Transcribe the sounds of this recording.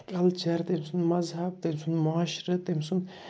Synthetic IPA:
kʼɐlt͡ʃʰɐɾt̪emsunmɐzɦɐb̚t̪emsunmʊaːʃɾɐt̪emsun

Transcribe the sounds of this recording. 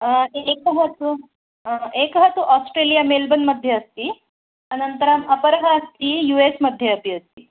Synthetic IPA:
ekɦət̪u | ekɦət̪uʔɔsʈɾelijamelbənməd̪ʱːjeəst̪iː | ənənt̪əɾaməpəɾɡʱaːst̪iːjuesməd̪ʱːjeəpiəst̪iː

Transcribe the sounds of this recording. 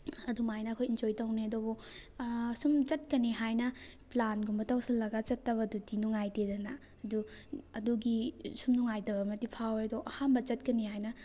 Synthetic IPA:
ɐdumajnɐɐkʰojind͡ʒojtawneɐdɔbɔ | sumt͡ʃɐt̚kɐniɦajnɐplanɡumbɐtawsilɐɡat͡ʃɐtːɐβɐdutinuŋajtedɐna | ɐduɐduɡisumnuŋajtɐbɐmɐtipʰawedɔʔɐhambɐt͡ʃɐt̚kɐnihajnɐ

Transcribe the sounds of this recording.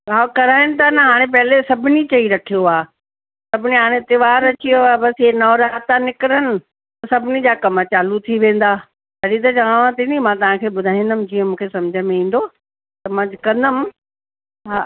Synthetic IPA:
aːkɐɾaːɪnɪ̆t̪ʰanɐɦaːɽ̃ẽp̬ɐɦɪlesɐbʱɪnit͡ɕɐiɾɐkʰijoaː | sɐbʱɪniɦaːɽ̃ẽt̪ɪʋaːɾɐt͡ɕijoaːbɐsɪenɔːɾaːt̪anɪkɪɾənɪ̆ | t̪ɐsɐbʱɪnid͡ʑaːkɐmət͡ɕaːlut̪ʰiʋẽːn̆d̪aː | t̪ɐɗit̪̬ɐt͡ɕɐʋaːʋãt̪ʰinimãt̪ɐʋ̤ãkʰeːɓʊd̪ʱaːĩnd̪əmd͡ʑiːə̃mũːkʰesɐmd͡ʑʱəmẽĩːn̆d̪o | t̪ɐmãd͡ʑʱkɐ̃nd̪əm | ɦa

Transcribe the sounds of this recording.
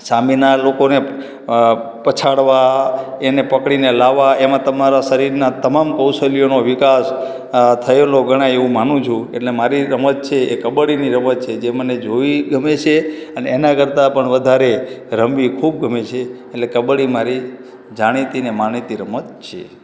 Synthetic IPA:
saminalokone | pət͡ʃʰaɽʋaenepəkɽinelaʋːaemãt̪əmaɾasəɾiɾnat̪əmamkəwsəlijonoʋɪkas | t̪ʰəeloɡəɽ̃ãeʋũmanũt͡ʃʰũḛʈlemaɾiɾəmət̪̚t͡ʃʰeekəbəɽiniɾəmət̪̚t͡ʃʰed͡ʒeməned͡ʒoʋiɡʱəmet͡ʃʰeəneːnakəɾt̪apəɳʋəd̪ʱaɾeɾəmʋikʰub̚ɡʱəmet͡ʃʰeː | ʈlekəbɽimaɾi | d͡ʒaɽ̃it̪inemanit̪iɾəmət̪̚t͡ʃʰḛ

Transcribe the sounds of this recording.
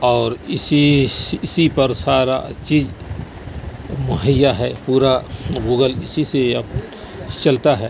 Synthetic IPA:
ɔːɾɪsiɪsipɐɾsaːɾa̰t͡ʃiːd͡ʒ | mʊɦəjaɦɛpuːɾaɡuːɡəlɪsiseɐb | t͡ʃɐlt̪aɦɛː

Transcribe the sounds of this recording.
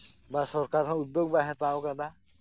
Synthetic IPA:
basɔɾkaɾɦɔ̃ud̪ːjoɡ̚baɦɛ̃t̪aokana

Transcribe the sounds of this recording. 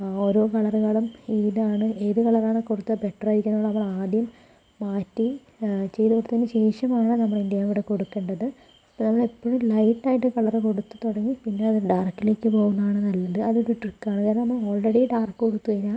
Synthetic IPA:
oːɾo̞ːkɐɭɐrɣɐɭumiːðaːɳɨʔeːðukɐɭɐraːɳɨkurut̪ːɐpeʈːrajɾikʲːunːuɭːɐnɐmːɐɭaːd̪jɐmː | aːtːi | t͡ɕe̞jðukurut̪ːɐðinɨɕe̞ːʂɐmaːɳɨnɐmːɐɭindijaːʋuɽeko̞ɽukːe̞ːɳɖɐðɨ | pːnɐmːɐɭepːoɻumlɐjʈːaːjiʈːɨkɐɭɐreko̞ɽut̪ːu̥t̪oɽɐŋːipinːe̞ɐðiɖaːrkːɨle̞ːkʲːɨpo̞ːɣunːɐaːɳɨnɐlːɐðɨɐðoɾuʈrikːaːɳɨkaːɾɐmɐmːɐɭoːɭreɽiɖaːrkːɨkoɽut̪ːukɐiɲːa

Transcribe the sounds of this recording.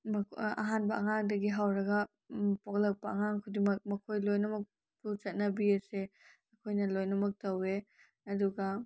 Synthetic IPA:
mɐɐ̰ɦanbɐʔɐŋaŋdɐɡiɦawɾɐɡɐ | pok̚lɐk̚pɐɐŋaŋkʰudimɐk̚mɐkʰojlojnɐmɐk̚ | put͡ʃɐt̚nɐbiɐse | ɐkʰojnɐlojnɐmɐk̚tɐwe | ɐduɡɐ

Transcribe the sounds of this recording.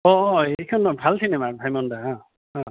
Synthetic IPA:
ɔʔɔejkʰɔnɔbʱalt̪ʰinemabʱajmɔndaɦa | hã

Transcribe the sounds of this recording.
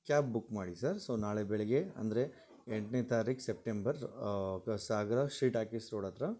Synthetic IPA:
kaːp̚bukːmaːɽisɐɾsoːnaːɭebɛɭɛɡeɐ̰nd̪ɐɾe | eɳʈnet̪aːɾiːksep̚ʈembɐɾ | saːɡɾɐʃiːʈaːkisɾoːɽɐt̪ɾa

